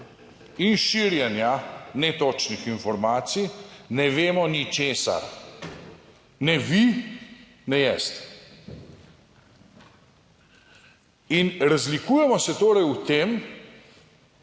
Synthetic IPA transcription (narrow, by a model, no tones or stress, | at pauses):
inʃiɾjɛnjanɛt̪ɔt͡ʃnixinfɔɾmaːt̪sijnɛʋeːmɔnit͡ʃeːsa̰ɾ | nɛʋi | nɛjɛst̪ | inɾazlikuːjɛmɔsɛt̪oːɾɛjut̪eːm